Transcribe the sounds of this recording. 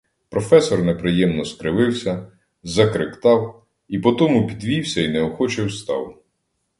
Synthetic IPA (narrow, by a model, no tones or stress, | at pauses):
pɾɔfɛsɔrnepɾɪjɛmnɔskɾɪʋɪwsʲɐ | zɐkɾɪkt̪ɑw | ipɔt̪ɔmʊpʲid̪ʋʲiwsʲɐinɛɔxɔt͡ʃɪwst̪ɑ̰w